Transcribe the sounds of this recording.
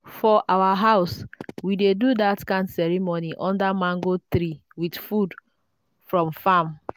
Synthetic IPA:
fɔʔawaɦaʊswidedudatkãɪ̃nsɛɹimoniʔɔ̃ndamãŋɡotɾi | widfud | fɹɔ̃mfãm

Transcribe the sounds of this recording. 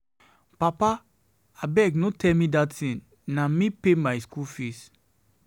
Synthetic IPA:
papa | abɛɡnotʰɛlmĩdatĩn | namĩpemaɪskulfis

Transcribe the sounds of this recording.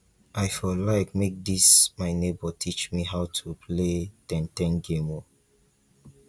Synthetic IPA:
ʔaɪfɔlaɪkmek̚dismaɪnebɔtʰit͡ʃmiɦaʊtʰupʰletɛ̃ntɛ̃nɡemɔ

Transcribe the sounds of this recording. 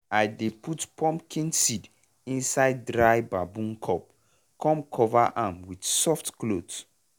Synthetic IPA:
ajdeputpʰɔ̃mpkʰĩnsid | ĩnsaɪdːɹajbabũnkʰɔp̚ | kʰɔ̃mkʰɔvaʔãmwidsɔftklods

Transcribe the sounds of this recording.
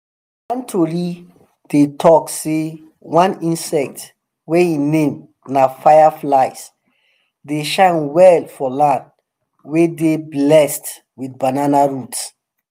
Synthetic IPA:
wãntʰoɹi | d̥etʰɔkse | wãnĩnsɛk̚t | wɛinẽm | nafajaflaɪs | deʃãɪnwɛlfɔlãnd | wedeblɛst | widbananaɹuts

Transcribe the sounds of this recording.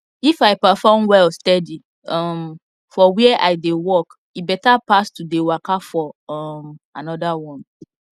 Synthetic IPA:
ifaɪpəfɔmwɛlstɛdi | ɔm | fɔwiɛʔaɪdewɔk | ibɛtapastudewakafɔɔmanɔdawɔ̃n

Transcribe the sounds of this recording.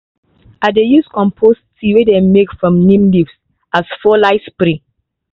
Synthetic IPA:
adejuskɔ̃mpʰostʰiwedemekfɹɔ̃mnĩmlifs | asfɔlaɪspɾĩ

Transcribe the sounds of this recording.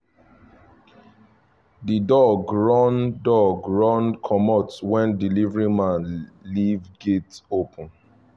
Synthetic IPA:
didɔɡɹɔ̃ndɔɡɹɔ̃nkʰɔmɔtwɛ̃ndilivɹĩmãnlivɡetopʰə̃n

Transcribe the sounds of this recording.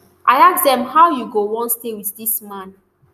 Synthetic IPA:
ʔaɪaksdɛ̃mhawjuɡowɔ̃ntstewiθdismãn

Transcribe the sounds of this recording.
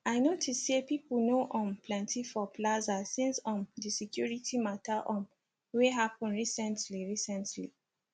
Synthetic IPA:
aɪnotʰistepiplnoʔɔ̃nplɛ̃ntʰifɔplazasĩnsɔ̃ndisikjuɹitʰimataʔɔ̃n | weɦapɔ̃nɹisɛ̃ntliɹisɛ̃ntli

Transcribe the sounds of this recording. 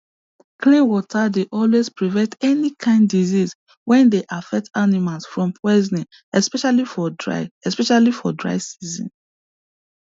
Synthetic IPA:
klĩnwɔtʰadeʔɔlwezpɹivɛ̃ntɛnikʰãɪ̃ndiziz | wɛ̃ndeʔafɛk̚tanimalsfɹɔ̃mpʰɹɛzni | ɛspɛʃalifɔdɹa̰ɪɛspɛʃalifɔdɹa̰ɪsizɔ̰̃n

